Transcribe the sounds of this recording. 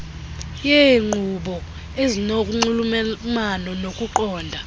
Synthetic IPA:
jɛŋ͡ǃʱuɓɔ | ezinokʼuŋ͡ǃulummanɔnokʼuǃɔːndʱa

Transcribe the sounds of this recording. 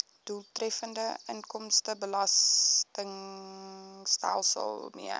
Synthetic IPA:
d̥ulˠtrɛfəndəənkɔmstəbəlɐstəŋ | stæ̰lˠsə̰lˠmḭə

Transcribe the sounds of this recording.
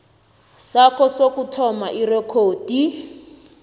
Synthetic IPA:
sakɔsokutʰɔmaʔirɛkʰoːdi

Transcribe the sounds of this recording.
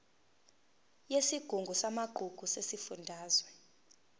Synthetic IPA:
jesiɡ̥ʱuŋɡʱusamaɡ͡ǃ̥ʱuɡ̥ʱusesifundʱaːzwɛ

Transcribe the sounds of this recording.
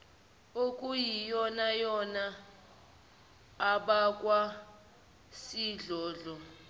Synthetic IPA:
okʼujijɔnajɔna | ɓakʼwa | siɮɔːɮɔ

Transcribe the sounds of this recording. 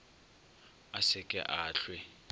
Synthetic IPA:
asɪkʼɛ̰ʔaːɬwɪ

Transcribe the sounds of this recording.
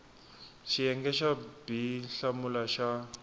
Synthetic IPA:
ʃijɛŋɡɛʃab̥iɬamulaʃa

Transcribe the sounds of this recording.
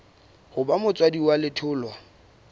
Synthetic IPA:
hʊbamʊt͡sʼwadiwalɪtʰʊːlwa

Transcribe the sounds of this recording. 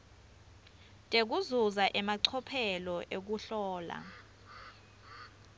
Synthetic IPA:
tʼek̬uzuzaʔɛmaǀʰɔpʰɛlɔʔek̬uɬɔːla̰

